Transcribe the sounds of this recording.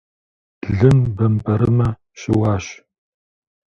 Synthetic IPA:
ɮɨmbɐmpɐɾɨmɐ | ʃɪwɑːɕ

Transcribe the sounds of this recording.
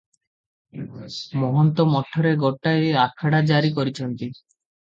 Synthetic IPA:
mɔɦɔnt̪ɔmɔʈʰːɔɾeɡɔʈːaeakʰaɽad͡ʒaɾikɔɾit͡ʃʰɔnt̪i

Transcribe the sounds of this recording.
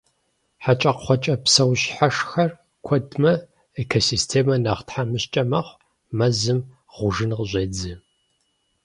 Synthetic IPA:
ħat͡ʃʼɐqχʷɔt͡ʃʼɐpsɐwɕħaʂxɐr | kʷʰɔdmɐ | ekʰosistʰeːmɐnɐʁtħamɨɕt͡ʃʼɐmɐχʷ | mɐzɨm | ʁʷʊʒɨnqʑʷeːd͡zɨ

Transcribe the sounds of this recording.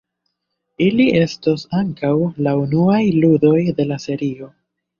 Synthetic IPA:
iliʔe̞stosaŋkawlaunuajludo̞jde̞lase̞ɾio̞

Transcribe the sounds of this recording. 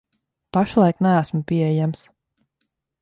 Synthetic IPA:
paʃlˠɑjknææsmpʲiɛɛjams

